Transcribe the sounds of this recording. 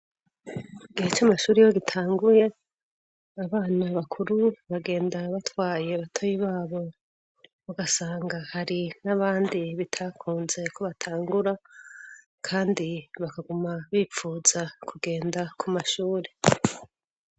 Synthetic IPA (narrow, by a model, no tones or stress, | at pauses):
iɡihet͡ʃamaʃuːɾijo̞ɡitʰaːŋɡuje̞ | aβaːnaβakʰuɾuβaɡe̞ːndaβatwaːje̞βatʰojiβaːβo̞ | βaɡasaːŋɡahaɾinaβaːndiβitʰakʰuːnze̞kʰo̞βatʰaːŋɡuɾa | kʰaːndiβakaɡumaβiːp͡fuːz̥akʰuɡe̞ːndakʰumaʃuːɾe